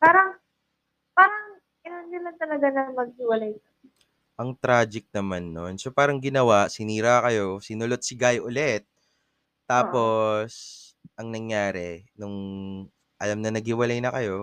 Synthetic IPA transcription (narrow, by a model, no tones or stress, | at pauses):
paːɾɐŋ | paːɾɐŋ | ɪnanjɪmɐnt̪ɐlɐɡanɐmɐɡ̚hɪwɐlajkɐ | ʔɐŋt̪ɾaːd͡ʒɪk̚nɐmanːonsopaːɾɐŋɡɪnɐwasɪniːɾakɐjo̞sɪnʊlot̪̚sɪɡajʔʊlɛt̪̚ː | aːppo̞s | ʔɐŋnɐŋjaːɾɛnʊŋ | ʔɐlamnɐnɐɡ̚hɪwɐlajnɐkɐjo̞